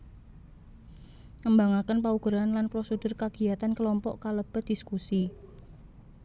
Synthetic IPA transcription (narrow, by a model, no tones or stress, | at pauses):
ŋəmbaŋakənpauɡ̥ɾaanlanpɾosədʊrkaɡ̥i̤at̪ankəlɔmpɔʔkaləb̥ə̤d̥i̤skusi